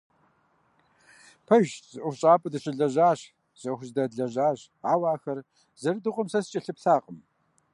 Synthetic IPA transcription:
pʰɐʒzɨʔʷʊɕʼaːpʼɨdɨɕʼɪɮɐʑaːɕ | z̥ɐxʷʑdɐɮɐʑaːɕ | aːwaːxɐr | zɐrdɨqʷʼʊmsɐst͡ʃʼɐɬɨpɬaːqʼəm

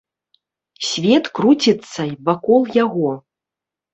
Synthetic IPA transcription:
sʲvʲɛt̪kɾut͡sʲit̪sːɐjvakɔlˠjaɣɔ

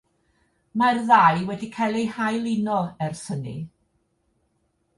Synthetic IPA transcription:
marðajwɛdikʰajlˠejhajlˠɪnɔɛrsənḭ

